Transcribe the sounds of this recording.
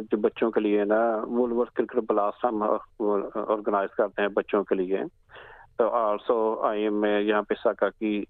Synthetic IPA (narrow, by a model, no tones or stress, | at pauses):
d͡ʒoːbətːʃõːkelɪenaʋʊlʋəɾt̪kɪɾkəʈbəlaːsʈɦəm | ɔ̰ːɾɡənaːɪzkɐɾt̪eɦɛ̃bətːʃõkelɪe | t̪oːʔaːʈʰsɔːaːəmːẽjɐɦãːpesaːkaːki